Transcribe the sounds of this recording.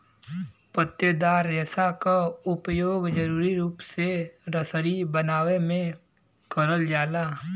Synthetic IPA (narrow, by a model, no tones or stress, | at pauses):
pət̪ːjəd̪aːɾːeːsakaʊpjoːɡd͡ʒəɾuːɾiɾuːpseɾəsəɾibənaːwemẽ | kəɾəld͡ʒaːlaː